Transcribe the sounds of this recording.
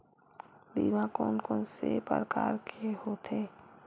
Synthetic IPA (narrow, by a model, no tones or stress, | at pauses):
d̪ḭːʋãkɔːnkɔːnsḛpə̰ɾəka̰ːɾkʰehoːt̪eː